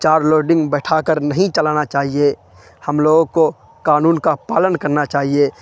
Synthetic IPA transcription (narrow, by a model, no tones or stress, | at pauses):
t͡ʃaːɾloːɾɖɪ̃ŋɡbɛːʈʰakəɾnəɦĩt͡ʃəlaːnat͡ʃaːɦie | həmloːɡko | kaːnuːnkapaːlənkəɾnat͡ʃaːɦie